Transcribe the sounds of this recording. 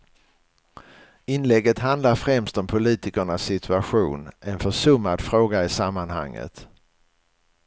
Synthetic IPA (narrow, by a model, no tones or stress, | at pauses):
ɪnlɛɡːət̪ɦand̪laɾfɾɛmst̪ɔmpʰʊliːt̪ɪkəɳasːɪt̪ʰɵaɧuːnɛnfœʂɵmːad̪fɾoːɡaɪsamːanha̰ŋːə̰t̪